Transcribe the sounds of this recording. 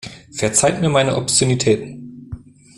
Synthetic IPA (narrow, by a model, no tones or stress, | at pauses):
fɛɐt͡saɪtmiːɐmaɪnəʔɔptjunitʰɛːtn̩